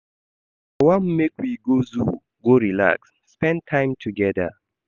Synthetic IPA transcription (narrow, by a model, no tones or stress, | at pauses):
awãmmekwiɡozu | ɡoɹila̰ksːpɛ̃ntʰãɪ̃mtʰuɡɛdə̰